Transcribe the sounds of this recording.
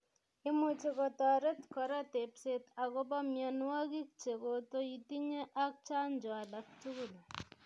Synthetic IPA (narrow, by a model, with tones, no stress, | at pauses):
i˦mut͡ʃe˦kɔta˨ɾe˦t̪kɔ˨ɾa˦te˨pse˦t̪a˨ko˦ba˦mja˨nwa˦ki˦k̚t͡ʃe˨ko˨to˦iti˦ɲe˦ʔak̚t͡ʃa˦nd͡ʒa˨lak̚t͡ʃu˦ɡu˨l